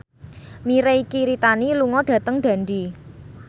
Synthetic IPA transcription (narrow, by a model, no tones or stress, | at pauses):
miɾeikiɾit̪aniluŋɔɖ̥ä̤t̪əŋɖ̪̥a̤nd̪i